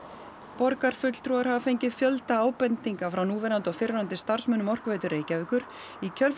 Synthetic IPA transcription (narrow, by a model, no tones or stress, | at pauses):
pɔɾkaɾ̥fʏt̪l̥t̪ʰɾuːɣaɾ̥havafejɲcɪðfjœlt̪aaːwpɛnt̪iŋkafɾawnuːvɛnant̪afɪɾnant̪ɪst̪ar̥smʏːnʏmɔr̥kveːjt̪ʏɾʔeːjcavɪkʏɾ̥ | icʰœl